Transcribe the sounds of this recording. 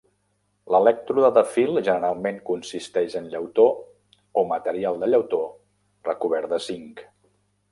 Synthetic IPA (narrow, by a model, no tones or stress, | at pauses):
ləlɛk̚t̪ɾuðəðəfilˠʒənəɾalˠmeŋkunsist̪ɛʃənʎəwt̪o | omət̪əɾialˠd̪əʎəwt̪o | rəkuβ̞ɛɾd̪əsiŋk